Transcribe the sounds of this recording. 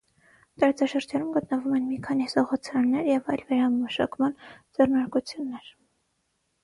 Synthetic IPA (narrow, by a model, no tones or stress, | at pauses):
t̪ɑɾɑt͡sɑʃəɾd͡ʒɑnumɡət̪nəvumɛnmikʰɑnizɔʁɔt͡sʰɾɑnːɛɾjɛvɑjlvɛɾɑməʃɑ̰kmɑnd͡zɛrnɑɾkut͡sʰjunːɛɾ